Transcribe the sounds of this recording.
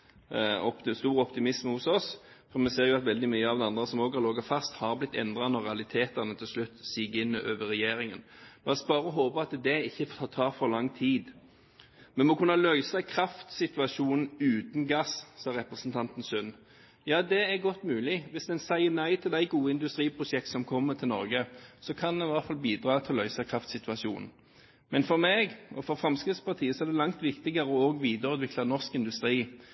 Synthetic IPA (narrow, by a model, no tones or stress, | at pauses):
ɔpst̪uːɾɔpt̪ɪmɪsmhʊsɔs | fɔmɛseːʁjʊɑt̪ʋɛld̪ɪmyːəɑʋd̪ɛɑnd̪ʁəsɔmoːɡɑɾloɡɑfɑst̪hɑːɾblɪt̪ːɛ̰nd̪ʁɑnɔɾɛɑlɪt̪ʰeːt̪ɑʁnət̪ʰɪlslʉt̪ːsiːɡɪnːəʔøːʋəɾɛjeːɾɪŋənb̪ɑsbɑːɾəɔɦoːpəɑt̪d̪ɛɪçːəft̪ʰɑt̪ʰɑːʁfɔɾlɑŋːt̪ʰiːd̪ | mɛnmɔkʉnːɑlœʏsɛkʰɾɑft̪sɪt̪ʋɑʃuːnn̩ʉːt̪n̩ɡɑssɑːɾʁɛpɾəsnt̪ʰɑnt̪n̩sʉn | jɑːd̪ɛæʁɡɔt̪ːmʉːlɪʋɪsd̪ɛnsæɪənæɪt̪ʰɪld̪æɪɡuːəɪnd̪ʉst̪ʁiːpʰʁʊʂɛk̚t̪sɔmkʰɔmːəʁt̪ʰɪlɔ̰ʁɡəsɔkʰɑnd̪ɛʋæʁt̪fɑlbiːd̪ʁɑːt̪ʰɪlɔlœʏsɑkʰʁɑft̪sɪt̪ʋɑsjṵːnn̩ | mɛnfɔʁmeːɡɔfɔʁfʁɑmskʁɪt̪spɑʁt̪ʰiːəsɔɛʁd̪ɛlɑŋt̪ʋɪkt̪ɪɡɑʁəɔoːɡʋiːd̪əɾʉːt̪ʋɪklɑnɔʁskɪnd̪ʉst̪ɾiː